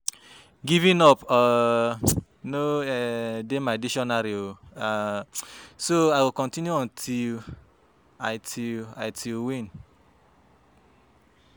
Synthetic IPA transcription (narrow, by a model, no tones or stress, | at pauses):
ɡivĩnɔpɔ | noɛdemaɪdiʃɔ̃naɾio | soajwilkɔ̃ntĩnjuɔ̃ntʰil | aɪtʰila̰ɪtʰilwĩn